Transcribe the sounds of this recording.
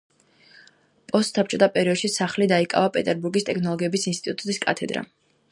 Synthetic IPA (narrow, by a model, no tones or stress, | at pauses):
pʼɔst̪sap̚t͡ʃʼɔt̪ʰapʼɛɾiɔd̪ʃisaχlid̪aikʼa̰vapʼɛt̪ʼɛɾbuɾɡist̪ʼɛkʰnɔlˠɔɡiɛbisinst̪ʼit̪ʼut̪ʼut̪ʼiskʼa̰t̪ʰɛd̪ɾa̰